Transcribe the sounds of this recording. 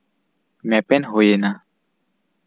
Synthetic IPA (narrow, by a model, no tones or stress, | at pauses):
mɛpɛnɦojena